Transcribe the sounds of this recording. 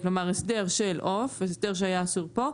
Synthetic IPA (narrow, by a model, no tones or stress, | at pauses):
klomaʁesdeʁʃelʔofesdeʁʃ̬eajaːsuʁpo̞